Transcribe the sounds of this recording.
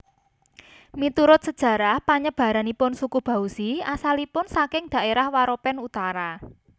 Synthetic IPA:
mit̪uɾʊt̪̚səd̥ʒ̥ä̤ɾahpaɲəb̥ä̤ɾanipʊnsukub̥ä̤usiasalipʊnsakɪŋd̪̥a̤ʔeɾahwaɾopɛnut̪aɾa

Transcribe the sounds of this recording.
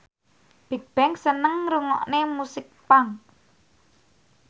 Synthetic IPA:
b̥e̤k̚b̥ɛŋsənəŋɾuŋɔʔnemusɪk̚paŋ

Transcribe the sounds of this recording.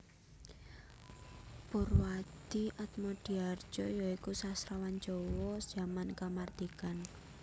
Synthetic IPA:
pʊrwad̪̥iʔat̪̚mɔd̥iar̥d͡ʒɔjɔikusasɾawan̥d͡ʒɔwɔ̥z̥amankamard̪̥ikan

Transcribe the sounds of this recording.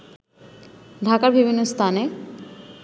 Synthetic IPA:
d̪ʱakaɾbʱibʱinːost̪ʰane

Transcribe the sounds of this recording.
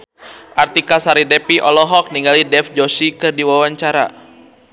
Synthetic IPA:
ʔart̪ikasaɾidɛpiʔɔlɔɦɔk̚niŋɡalidɛfd͡ʒɔsikɨrdiwawaɲt͡ʃaɾa

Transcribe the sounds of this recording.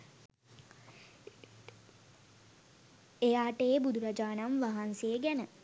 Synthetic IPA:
ejaːʈəːbud̪uɾad͡ʒaːnamʋaɦansejəɡænə

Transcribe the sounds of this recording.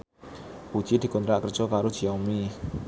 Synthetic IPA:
put͡ɕit̪ʰi̤konɾaʔkɾət͡ʃokaɾut͡ɕʰiɔmi

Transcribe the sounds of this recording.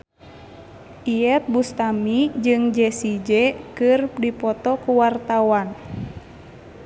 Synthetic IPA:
ʔiɛt̪̚bust̪amid͡ʒɨŋd͡ʒɛsid͡ʒɛkɨrdipɔt̪ɔkuwart̪awan

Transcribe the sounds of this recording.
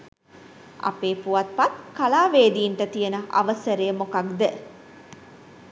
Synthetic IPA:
ʔa̰peːpuʋat̪̚pat̪kalaːʋeːd̪iːɳʈət̪ijənəʔa̰ʋəsəɾejəmokakd̪ə

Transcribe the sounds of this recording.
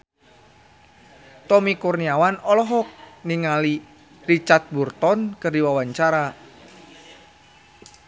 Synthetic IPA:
t̪ɔmikurniawanɔlɔɦɔk̚niŋali | rit͡ʃart̪̚burt̪ɔnkɨrdiwawaɲt͡ʃaɾa

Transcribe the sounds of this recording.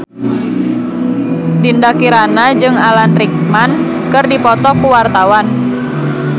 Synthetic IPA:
dindakiɾanad͡ʒɨŋalanrik̚man | kɨrdipɔt̪ɔkuwart̪awan

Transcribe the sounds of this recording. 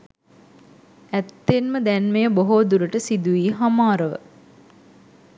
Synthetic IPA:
æt̪ːenməd̪ænmejəboɦoːd̪uɾəʈəsid̪uʋiːɦamaːɾəʋə̰

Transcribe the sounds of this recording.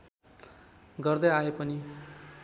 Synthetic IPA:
ɡʌrd̪ʌjaepʌni

